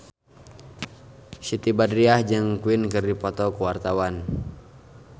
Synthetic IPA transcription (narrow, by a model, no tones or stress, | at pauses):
sit̪ibadɾiahd͡ʒɨŋkuinkɨrdipɔt̪ɔkəwart̪awan